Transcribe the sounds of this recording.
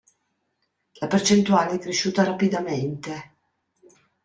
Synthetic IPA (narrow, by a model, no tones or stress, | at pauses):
lapert͡ʃent̪uaːleɛkːɾeʃːuːt̪aɾapid̪ament̪e